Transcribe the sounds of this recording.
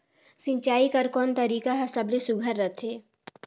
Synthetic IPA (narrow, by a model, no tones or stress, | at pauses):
sɪ̃ɲt͡ʃaːikɐɾkɔːnt̪ɐɾiːkaɦɐsəblesʊɡʱəɾːɐt̪ʰeː